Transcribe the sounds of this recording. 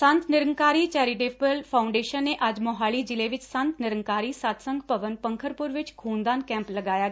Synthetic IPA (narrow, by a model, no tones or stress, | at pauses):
sə̃nt̪nɪɾəŋkaːɾiːt͡ʃɛːɾɪʈeːpəlpʰaːʊɳɖeːʃənːeːʔɐd͡ʒmɔːɦaːɭiːd͡ʒɪleːʋɪt͡ʃsə̃nt̪nɪɾəŋkaːɾiːsat̪sə̃ŋɡpəʋənpə̃ŋkʰəɾpʊɾʋɪt͡ʃkʰuːnd̪aːnkɛ̃ːmpləɡaːjaː